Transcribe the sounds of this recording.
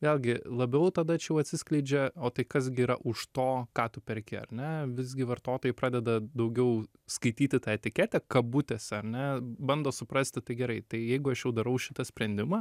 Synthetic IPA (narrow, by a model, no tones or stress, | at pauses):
ʋʲeːlʲˠɡʲɪlˠɐbʲɛʊt̪ɐd̪ɐt͡ʃʲɛjɛʊɐt̪ʲsʲɪsʲklʲɛɪd͡ʒʲɛoːt̪ɐɪkɐsɡʲɪːɾɐʔʊʃt̪oːkɑːt̪ʊpʲɛɾʲkʲɪɐ̰rʲnʲɛʋʲɪzʲɡʲɪʋɐrt̪oːt̪oːjɛɪpɾɑːd̪ʲɛd̪ɐd̪ɐʊɡʲɛʊ | skɐɪt̪ʲiːt̪ʲɪt̪ɑːɛt̪ʲɪkʲɛt̪ʲɛkɐbʊt̪ʲɛsʲɐɾʲnʲɛbɐnd̪oːsʊpɾɐsʲt̪ʲɪt̪ɐɪɡʲɛɾɐɪt̪ɐɪjɛɪɡʊɐʃjɛʊd̪ɐɾɐʊʃʲɪt̪ɐsʲpʲɾʲɛnʲd̪ʲɪmɑ